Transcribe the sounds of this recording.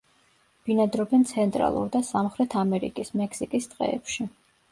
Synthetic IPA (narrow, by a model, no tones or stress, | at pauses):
b̥inad̪ɾɔbɛnt̪sʰɛnt̪ʼɾa̰lˠṵɾd̪asamχɾɛt̪ʰamɛɾḭkʼismɛksikʼist̪ʼqʼɛ̰ːpʃi